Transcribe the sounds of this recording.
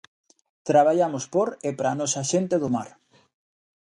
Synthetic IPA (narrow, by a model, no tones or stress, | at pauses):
t̪ɾaβ̞aʎamʊspoɾepɾaːnɔsaʃent̪eðʊmaɾ